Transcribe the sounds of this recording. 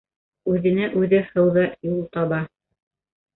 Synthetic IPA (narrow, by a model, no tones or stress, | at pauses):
ʉðɘ̆næʔʉðɘhɤ̆wðɤjulˠt̪ɑβɑ